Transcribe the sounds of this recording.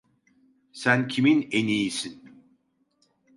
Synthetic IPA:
sæncʰiminenijisin

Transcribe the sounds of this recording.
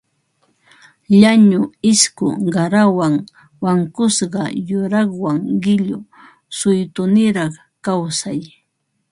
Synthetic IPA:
ʎaɲʊɪskʊ̰ɢɑɾawaŋ | waŋkʊsɢɑjʊɾɑχwaŋɢɪʎʊ | sʊjt̪ʊnɪɾɑχ | kawsaj

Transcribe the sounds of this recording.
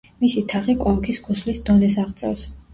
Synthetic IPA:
misit̪ʰaχikʼɔkʰiskʰuslisd̪ɔnɛsaʁt̪sʼɛ̰vs

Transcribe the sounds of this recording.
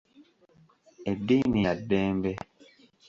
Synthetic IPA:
ediniadɛːmbɛ

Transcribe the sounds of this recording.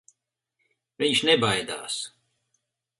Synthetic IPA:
viɲʃnebajd̪a̰ːs

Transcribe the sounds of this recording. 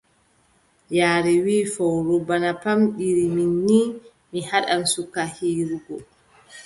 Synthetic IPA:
jaːɾɛwiːfɔwɾɔbanapamɗiɾiminːi | mihaɗamsukahiːɾuɡɔ

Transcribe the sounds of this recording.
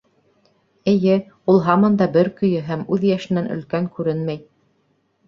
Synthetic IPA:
ɘ̆jɘ | ulˠɦɑmɑnd̪ɑbɘɾkɵ̆jɘɦæmʉðjæʃɘ̆nænɵ̰̆lkæŋkʉɾɘnmæj

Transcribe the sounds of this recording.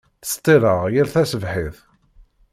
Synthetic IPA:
θə̥st̪ˤːiɾəʁjiɾθæsəvħiθ

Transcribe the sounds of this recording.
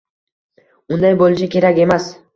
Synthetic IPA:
ʊnd̪ajbolˠɪt͡ʃakʲe̞ɾakʲe̞mas

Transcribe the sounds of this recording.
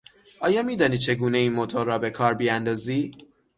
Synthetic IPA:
ʔɒːjɒːmiːd̪ɒːniːt͡ʃʰe̞ɡuːne̞iːnmot̪ʰoɾːɒːbe̞kʰɒːɾbijænd̪ɒːziː

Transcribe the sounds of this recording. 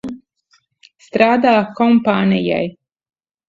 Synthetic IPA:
st̪ɾaːd̪aːkɔmpaːnija̰j

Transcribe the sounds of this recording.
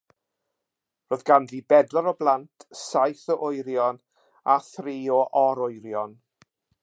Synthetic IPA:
roːðɡanðibɛdlaɾɔblˠantʰsajθəʔʊjɾjɔn | aθriːɔʔɔɾʊjɾjɔn

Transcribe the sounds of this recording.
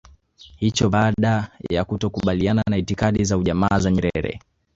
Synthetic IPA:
hit͡ʃɔɓaɗajja̰kutɔkuɓaliananaitikaɗizauʄamaːzaɲɛɾɛ̰ɾɛ̰

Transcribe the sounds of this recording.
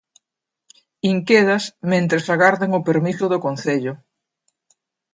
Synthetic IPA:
iŋkeðɐsmẽnt̪ɾesaɣaɾðaŋʊpeɾmisʊðʊkonθeʎʊ

